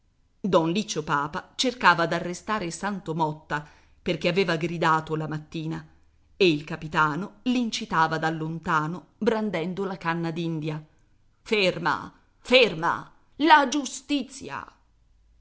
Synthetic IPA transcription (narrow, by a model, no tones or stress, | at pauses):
d̪ɔnlit͡ʃːopaːpat͡ʃerkaːvad̪arːest̪aːɾesant̪omɔt̪ːa | perk̟eaveːvaɡɾid̪aːt̪olamat̪ːiːna | eilkapit̪aːnolint͡ʃit̪aːvad̪alːont̪aːnobɾand̪ɛnd̪olakanːad̪ind̪ja | ferma̰ | ferma̰ | lad͡ʒust̪it̪sːja̰